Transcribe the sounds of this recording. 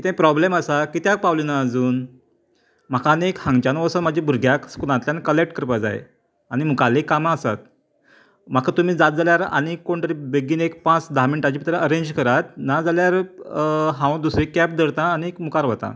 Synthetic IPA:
kit̪ãpɾɔbleməsakit̪jak̚pawlinaəd͡zuːn | m̤akʰanekhãŋɡt͡ɕanʋəsənmad͡ʑibʱuɾɡʱjakskulãt̪ljankəlek̚ʈkəɾpad͡za̰ḛ | añimukalekamãːsa̰t̪̚ | m̤akʰat̪um̤iːd͡zat̪̚d͡zaljaɾa̰nikːoɳʈ̪əɾibeɡiːnek̚pãt͡sd̪aminʈad͡ʑipit̪ɾaʔəɾeɲd͡ʑkəɾat̪̚nad͡zaljaɾ | ɦãw̃d̪usɾikɛp̚d̪əɾt̪ãːniekmukaɾʋət̪a̰

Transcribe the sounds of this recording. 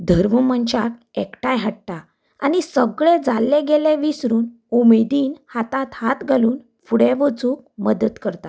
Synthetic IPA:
d̪ʱəɾməməɲt͡ɕak | ekʈajɦaʈʈa | a̰nisəɡɭed͡zalːeɡelẽʋisɾuːn | umed̪iːnhat̪at̪hat̪ɡʱaluːn | fuɽeʋət͡suːk̚məd̪ət̪kəɾt̪a

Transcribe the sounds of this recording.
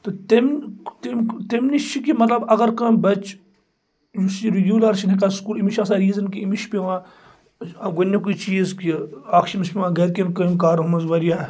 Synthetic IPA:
t̪ɐt̪ɐmt̪imt̪emnit͡ʃʰikimɐt̪lɐbɐɡɐɾkɐmbɐt͡ʃ | jusiɾiɡʲuːlɐɾʃʰinikaːskuːlimiʃʰɐsaɾiːzɐnkiimiʃpʲeʋãː | ɐɡonʲːek̬uːt͡ʃiːzkiaːkʰʃimispʲiʋãːɡɐɾkenkɐmkaːɾɦumɐzʋɐɾijaː

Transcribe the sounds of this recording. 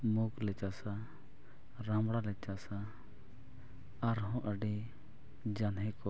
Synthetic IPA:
muklɛt͡ʃasa | ɾãmɽalɛt͡ʃasa | aɾɦɔ̃ʔəɖɛ | d͡ʒanɦɛ̃kɔ

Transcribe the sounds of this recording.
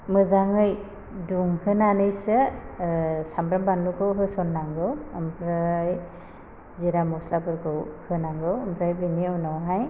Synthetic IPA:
mɯzaŋɯj | duŋhɯnanɯjsɯ | sambɾambanlukɯwɦɯsɔnːaŋɡɯwɯmpʰɾaj | ziɾamɔslapɯɾkɯwhɯnaŋɡɯwɯmpʰɾajbɯniɯwnawɦaj

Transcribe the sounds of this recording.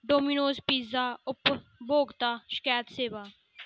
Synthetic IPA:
ɖoːmiːnoːspiːzaːʊpboːɡt̪aːʃə̥kɛːt̪seːʋaː

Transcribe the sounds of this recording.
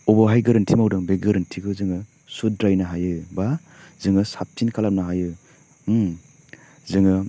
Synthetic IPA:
ɔbaɦajɡɯɾɯntʰimawdaŋbeɡɯɾɯntʰiɡɯzɯŋɯ | sudɾajnaɦajɯba | zɯŋɯsap̚tinkʰalap̚naɦajɯ | zɯŋɯ

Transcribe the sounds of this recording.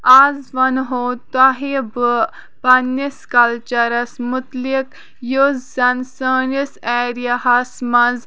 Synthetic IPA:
aːzʋɐnɦoːt̪ɐɦebɨ | pɐnːiskɐlt͡ʃɐɾɐsmʊt̪lik | jozzɐnsəːniseːɾijɐɦɐsmɐz

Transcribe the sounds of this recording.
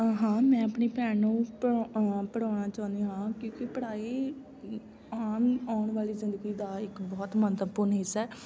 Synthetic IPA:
ɦãːmɛ̃ːəpɳiːpɛːnũːppəɽ̤aːnaːt͡ʃãːnd̪iːɦãːkjõːkɪpəɽaːiː | aːmaːʊɳʋaːliːzɪnd̪əɡiːd̪aːɪkbɔːt̪mənt̪əpʊɾnɦɪsɛː

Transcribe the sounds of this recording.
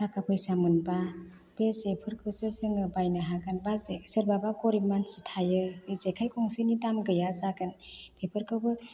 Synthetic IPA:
tʰakʰapʰɔjsamɯnba | b̥ezepʰɯɾkʰɯwsɯzɯŋɯbajnaɦaɡanbazesɯɾbabakɔɾimansitʰajɯbezekʰajkʰɔŋsinidamɡɯjazaɡɯnpʰepʰɯɾkʰɯwbɯ

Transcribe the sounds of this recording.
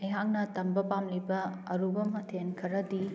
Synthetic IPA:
ɐjɦaŋnɐtɐmbɐpamlibɐɐɾubɐmɐtʰenkʰɐɾɐdi

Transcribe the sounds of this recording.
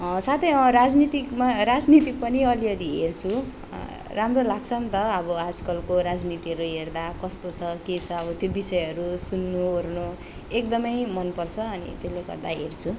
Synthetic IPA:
sat̪ʰejʌɾad͡znit̪ikmaɾad͡znit̪ipʌniʌliʌɾiɦert͡sʰu | ramrolaɡt͡sʰʌnt̪ʌʌbʌad͡zkʌlkoɾad͡znit̪iɦʌɾuɦerd̪akʌst̪ot͡sʰʌket͡sʰʌːbʌt̪jobisʌjʌɾusunːuorno | ekd̪ʌmʌjmʌnpʌrt͡sʰʌːnḭt̪jeleɡʌ̰rd̪aɦert͡sʰu

